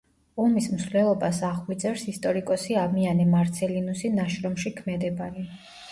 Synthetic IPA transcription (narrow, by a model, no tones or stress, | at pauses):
ɔmismsvlɛlˠɔbasaʁɡwit̪sʰʼɛfɾsist̪ʼɔɾikʼɔsiamianimaɾt̪sʰɛlinusinaʃɾɔmʃikʰmɛd̪ɛbali